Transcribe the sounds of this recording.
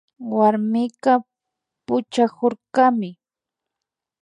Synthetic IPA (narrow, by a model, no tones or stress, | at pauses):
waɾmɪka | pʊt͡ʃakoɾkamɪ